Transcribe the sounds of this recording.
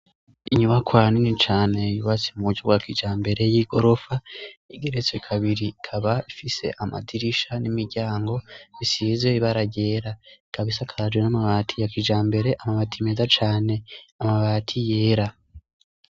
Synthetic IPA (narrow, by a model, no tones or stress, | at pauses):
iiɲumakwaːninit͡ʃaːne̞juβat͡simuuɟɟoɡwakid͡ʒaːmbe̞ɾe̞jiːɡo̞ɾo̞faiɡe̞ɾet͡seikʰaβiɾikʰaβaifise̞̰ʔama̰diɾiʃanimiɾɟaːŋɡo̞βisiːzɡeiβaɾaɟe̞ːɾaikaβisakʰaɾad͡ʒɡwenamaβaːtʰijakid͡ʒaːmbe̞ɾe̞ʔamaβaːtʰime̞ːzat͡ʃaːne̞amaβaːtʰije̞ːɾa